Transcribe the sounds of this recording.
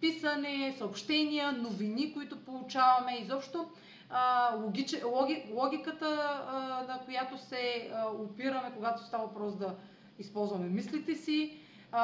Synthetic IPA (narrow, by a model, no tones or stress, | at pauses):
pisənɛsɐopʃt̪ɛniənovinikoit̪opolˠut͡ʃavɐmɛizɔpʃt̪o | lˠoɡʲit͡ʃɛlˠɔɡʲilˠɔɡʲikət̪ə | nɐkojat̪osɛopiɾəmɛkoɡat̪o̥st̪avɐvpɾɔsd̪ɐ | ispɔlˠzvɐmɛmislit̪ɛsi